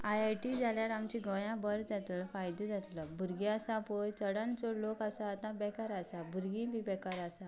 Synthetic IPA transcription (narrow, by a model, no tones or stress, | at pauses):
ajajʈid͡zaljaɾamt͡ɕĩɡʱə̃jãbəɾd͡zat̪lfajd̪ud͡zʱat̪ləbʱuɾɡĩasapojt͡səɽãnt͡sɔlokasaːt̪ãbɛkaɾasabʱuɾɡĩbʱibɛkaɾasa